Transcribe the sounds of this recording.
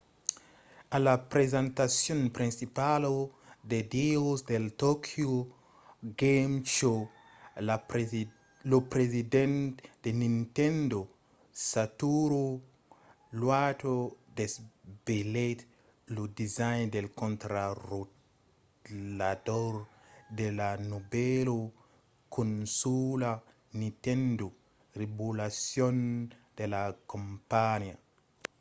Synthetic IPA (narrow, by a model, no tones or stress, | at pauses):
alapɾezãnt̪asjõnpɾĩnsipalod̪ed̪iosd̪elt̪okʰjo | ɡemt͡ʃo | lopɾezid̪ẽnt̪d̪̥enĩnt̪ẽnd̪o | sat̪uɾo | lwat̪odesbelet̪ | ludizajndelkɔnt̪ɾaɾo | ladɔɾ | delanubɛlo | kʰonsula | nĩt̪ɛndo | ribulasjɔnd̥elakompanja̰